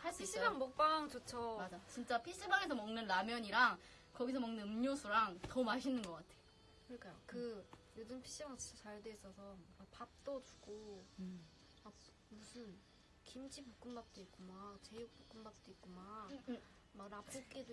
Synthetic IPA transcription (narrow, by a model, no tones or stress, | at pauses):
haɭs͈uiɕ͈ʰibaŋmʌk̚p͈aŋt͡ɕot͡ɕʰʌmad͡ʑajot͡ɕint͡ɕ͈apʰiɕ͈ʰibaŋes̬ʰʌmʌŋnɯnːamjʌɲiɾaŋ | kʌɡisʰʌmʌŋnɯnɯmɲosʰuɾaŋtʌmaɕʰinːɯnɡʌk͈atʰe̞jo | kɯɾʌɭk͈ajo̰kɯjodɯmpʰi̥ɕ͈iat͡ɕit͡ɕ͈ʰat͡ɕaɭdes͈ʌsʰʌmak̚pap̚t͈ʌt͡ɕu̥ɡ̥o | a | musʰɯn | kimd͡ʑipok͈ɯmbak̚t͈oit̚k͈omat͡ɕe̞juk̚pok͈ɯmbak̚t͈oit̚k͈oma | makɾap͈ʰok͈edo